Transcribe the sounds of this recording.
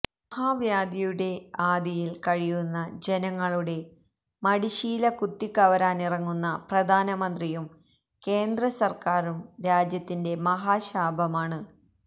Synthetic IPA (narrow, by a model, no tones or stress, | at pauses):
mɐhaːʋjaːd̪jɐjuɽe̞aːd̪jijilkɐɻijunːɐd͡ʑe̞nɐŋːɐɭuɽe̞ | mɐɽiɕiːlɐkut̪ːikːɐʋɐɾaːnirɐŋːunːɐprɐd̪ʱaːnɐmɐnd̪rijum | ke̞ːnd̪rɐsɐrkaːɾumɾaːd͡ʑjɐt̪ːinde̞mɐɦaːɕaːbʱɐmaːɳɨ